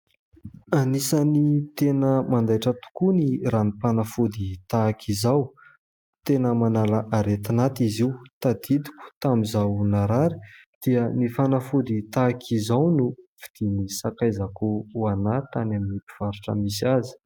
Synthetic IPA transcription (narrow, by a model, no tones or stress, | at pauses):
anisanit̪enəmand̪ajʈ͡ʂət̪u̥kuniranipanafud̪it̪akʰizaw | t̪enəmanalaʔaɾet̪anat̪iziwt̪ad̪id̪i̥kʲu̥t̪amizawnaɾaɾi̥ | d̪̥iənifanafud̪it̪akʰizawnuv̥id̪̥inisakajzakuuanat̪anaminipi̥v̥aɾuʈ͡ʂə̰misiazi̥